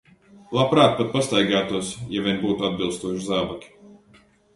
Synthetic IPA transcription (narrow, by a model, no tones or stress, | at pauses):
lˠapɾaːt̪̚pat̪̚past̪ajɡaːt̪uɔsjavʲɛnbuːt̪uad̪bʲilˠst̪uɔʃizaːbakʲi̥